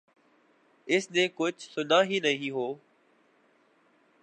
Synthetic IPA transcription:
ɪsnẽːkʊt͡ʃʰsʊdaːɦiːnəɦiɦoː

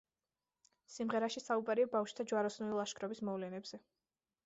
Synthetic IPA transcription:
simʁɛɾaʃisaubʼaɾiabafʃt̪ʰad͡ʒwaɾɔsnulilˠaʃkʰɾɔbismɔvlɛnɛbz̥ɛ

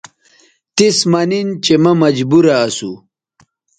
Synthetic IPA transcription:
t̪ismɐnint͡ɕemɐmɐd͡ʑbuɾɐːsu

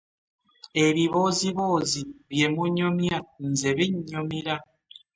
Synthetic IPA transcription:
eβiβoziβoziβjemuɲomjan̩zeβiɲɲomiɾa

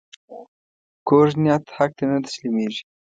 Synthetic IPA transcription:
koʒnijat̪hak̚t̪enət̪ə̥ʃlimeʒi̥

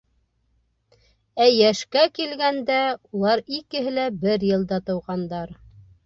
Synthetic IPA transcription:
æjæʃkækilɡænd̪æulˠɑɾikɘ̆ɦɘ̆læbɘɾjɤ̆lˠd̪ɑt̪ɤ̆wʁɑnd̪ɑɾ

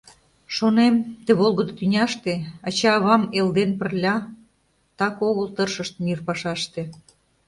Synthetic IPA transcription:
ʃonemt̪eβolˠɣəd̪ot̪ynʲɑʃt̪eɑt͡ɕɑːβɑmeld̪enpərlʲɑ | t̪ɑkoɣəlt̪ərʃəʃt̪̚myrpɑʃɑʃt̪e

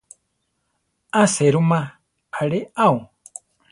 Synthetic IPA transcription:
aseɾumã | aɺeʔau

